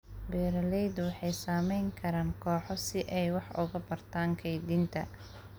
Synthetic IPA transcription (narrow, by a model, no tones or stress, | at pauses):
bɛːɾɐlɛjd̪wɑħɑjsaːmɛjŋkʰɐɾaːŋkʰɔːħɔsɪʔɛjwɑħʊ̰ɣɐbɐrt̪ʰaːŋkʰɛjd̪iːnt̪ʰɐ̰